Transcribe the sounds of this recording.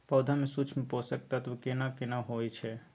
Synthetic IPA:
pəʊd̪ʱamesut͡ʃʰmeposək̚t̪at̪bkenakenaɦojt͡ʃʰɛ

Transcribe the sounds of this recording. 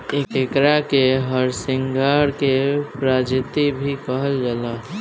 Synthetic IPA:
eekɾakeɦəɾsɪ̃ŋɡaɽkepɾad͡ʒɪt̪ibʱikəɦəld͡ʒala

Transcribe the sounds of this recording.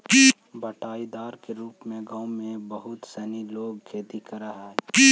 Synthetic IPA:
ki | bəʈaːid̪aːɾkeɾuːpmẽɡãːwmẽbəɦʊt̪sɛːniloːɡkʰeːt̪ikɐɾaɦɛːki

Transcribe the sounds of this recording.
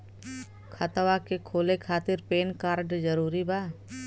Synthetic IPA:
kʰat̪wakekʰoːlekʰaːt̪ɪɾpeːnkaːɾɖd͡ʒəɾuːɾibaː

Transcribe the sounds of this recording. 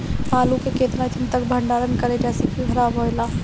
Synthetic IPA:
maːlũkekeːt̪nat͡ʃɪnt̪ək̚bʱə̃ɳɖaːɾənkəɾed͡ʒɛːsikiɡʱɾaːbɦoːelaː

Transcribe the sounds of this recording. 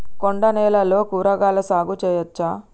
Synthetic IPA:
koɳɖɐnɛːlɐlo̞ːkuːɾɐɡaːlɐsaːɡut͡ʃɛːjɐt͡ʃːaː

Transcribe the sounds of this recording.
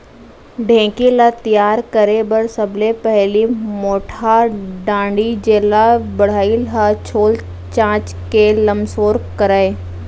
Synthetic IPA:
ɖʱẽːkilat̪ijaːɾkəɾebəɾsəbʱlepɛɦlimoːʈʰaɖãːɳɖid͡ʒeːlabəɽ̤aːilɦat͡ʃʰoːl | t͡ʃãːt͡ʃ | keləmsoːɾkəɾaːeː

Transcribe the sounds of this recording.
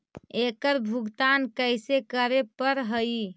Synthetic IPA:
ekəɾbʱuɡt̪ankəjsekəɾepəɾɦəj

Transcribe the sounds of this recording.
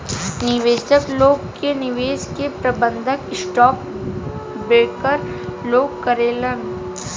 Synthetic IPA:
nɪʋeːʃəkloːɡkenɪʋeːskepɾɐbə̃nd̪ʱəkɪsʈɔːk | beːkəɾ | loːɡ̚kɐɾeːlən

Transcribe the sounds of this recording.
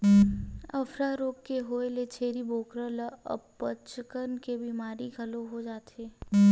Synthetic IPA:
əfɾaɾoːkːeɦoːelet͡ʃʰeːɾiboːkɾələ̰pːət͡ʃkənkebiːmaːɾiɡʱɐloɦod͡ʒaːt̪eː

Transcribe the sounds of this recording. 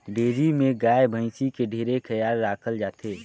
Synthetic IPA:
ɖeːd͡ʒimẽɡaːebʱə̃ɪ̃sikeɖʱeːɾekʰəjaːɾːaːkʰəld͡ʒaːt̪ʰeː

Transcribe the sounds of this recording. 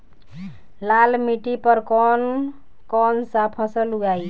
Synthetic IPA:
lalmiʈipəɾkɔn | kɔnsapʰə̃səluɡaj

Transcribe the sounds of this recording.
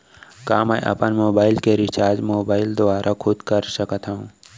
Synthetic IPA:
kaːmɛjʔɐ̰pənmoːbaːɪlkeɾɪt͡ʃaːɾd͡ʒmoːbaːɪld̪ʊaːɾʔakʰʊd̪kəɾsəkət̪ʰɦaũ

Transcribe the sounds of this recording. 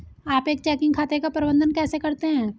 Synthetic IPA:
aːpeːk̚t͡ʃɛːkɪ̃ŋɡkʰaːt̪ekapɐɾɪbə̃nd̪ənkɛːsekɐɾt̪eɦɛ̃ː

